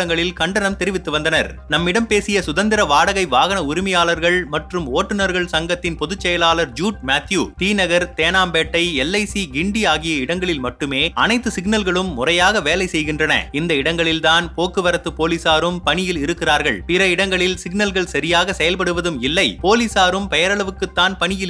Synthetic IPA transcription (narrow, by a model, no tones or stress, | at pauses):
ɐŋɡɐɭɪlkɐɳɖɐnɐmt̪ɛɾɪʋɪt̪ːɯʋɐnd̪ɐnɐɾ | nɐmːɪɽɐmpeːsɪjɐsʊðɐnd̪ɪɾɐʋaːɽɐɣɐɪʋaːɣɐnɐʊɾɪmɐjaːlɐɾɣɐɭmɐʈrɯmoːʈːɯnɐɾɣɐɭsɐŋɡɐt̪ːɪnpɔðɯt͡ʃːɛjɐlaːlɐɾd͡ʒuːʈ̚maːt̪ʰjuːt̪iːnɐɣɐɾt̪eːnaːmbeːʈːɐɪɛlːɐɪsiɡɪɳɖiaːɣɪjɐɪɽɐŋɡɐɭɪlmɐʈːɯmeːɐnɐɪt̪ːɯsɪɡnɐlɣɐɭɯmːʊrɐjaːɣɐʋeːlɐɪsɛjɣɪndrɐnɐ̰ɪnd̪ɐɪɽɐŋɡɐɭɪlt̪aːnpoːkːɯʋɐɾɐt̪ːɯpoːlisaːɾɯmpɐɳɪjɪlɪɾɯkːɪraːɾɣɐɭpɪɾɐɪɽɐŋɡɐɭɪlsɪɡnɐlɣɐɭsɐɾɪjaːɣɐsɛjɐlpɐɽɯʋɐðɯmɪlːɐɪpoːlisaːɾɯmpɛjɐɾɐɭɐʋɯkːɯt̪ːaːnpɐɳɪjɪ